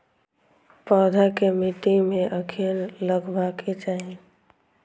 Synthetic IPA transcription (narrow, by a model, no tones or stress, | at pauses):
pɔːd̪ʱakemɪʈ̪imẽʔəkʰeːnləɡbaːkʰet͡ʃaːɦẽ